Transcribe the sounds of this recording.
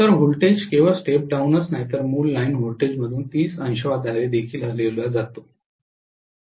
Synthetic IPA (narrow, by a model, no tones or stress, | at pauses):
t̪əɾɦulʈed͡ʑkeʋəsʈep̚ɖawnət͡snajt̪əɾmuːlːainɦolʈed͡ʑməd̪ʱuːnt̪iːsə̃nɕəʋad̪ʱaled̪ekʰiːləleluad͡zat̪o